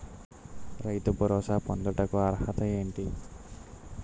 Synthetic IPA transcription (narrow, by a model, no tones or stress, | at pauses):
ɾajt̪ɔbɔɾɔːsapɔnd̪ɔʈakuaɾhat̪ɐeːɳʈi